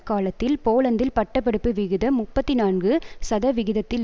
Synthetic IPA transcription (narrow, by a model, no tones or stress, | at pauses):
kːaːlɐt̪ːɪlpoːlɐnd̪ɪlpɐʈːɐpːɐɽɯpːɯʋɪɣɯðɐmʊpːɐt̪ːinaːnɡɯsɐðɐʋɪɣɪðɐt̪ːɪl